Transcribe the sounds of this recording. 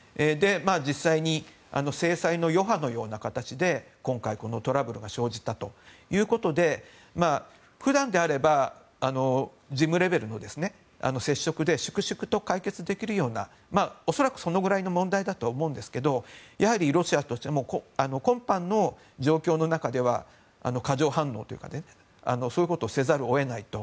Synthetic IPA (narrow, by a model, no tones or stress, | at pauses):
ed̪e̞maːd͡ʑisːaiɲ̟i | a̰no̞se̞ːsaino̞jo̞ɦano̞jo̞ːnakat̪at͡ɕid̪e̞ | kõ̞ŋkaiko̞no̞t̪o̞ɾabɯ̟ɾɯ̟ɡaɕo̞ːʑit̪ːat̪o̞jɯ̟ːko̞t̪o̞d̪e̞ | ma | ɸɯ̟d̪ãnd̪e̞aɾe̞ba | ano̞ | d͡ʑimɯ̟ɾe̞be̞ɾɯ̟no̞d̪e̞sɨne̞ | a̰no̞se̞ɕːo̞kɯ̟d̪e̞ɕɨ̥kɯ̟ɕɨkɯ̟̥t̪o̞kaike̞t͡sɨd̪e̞kʲiɾɯ̟jo̞ːna̰ | maːo̞so̞ɾakɯ̟so̞no̞ɡɯ̟ɾaino̞mõ̞nd̪aid̪at̪o̞ːmo̞ɯ̃nd̪e̞sɨ̥ke̞d̪o̞jʔahaɾʲiɾo̞ɕiat̪o̞ɕi̥t̪e̞mo̞koano̞kõ̞mpãnːo̞ | d͡ʑo̞ːkʲo̞ːno̞nakad̪e̞β̞a̰ | a̰no̞kaʑo̞ːɦãnːo̞ːt̪o̞jiɯ̟kad̪e | a̰no̞soːjɯ̟ko̞t̪o̞ːse̞zaɾɯ̟o̞e̞nait̪o̞